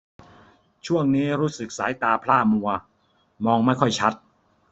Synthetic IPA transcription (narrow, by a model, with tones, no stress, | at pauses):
t͡ɕʰu˥˩əŋniː˦˥ɾuː˦˥sɯ˨˩k̚sa̰ː˩˦jt̪aː˧pʰlaː˥˩mu˧ɐ | mɔː˧ŋma˥˩jkʰɔ˥˩jt͡ɕʰa˦˥t̪̚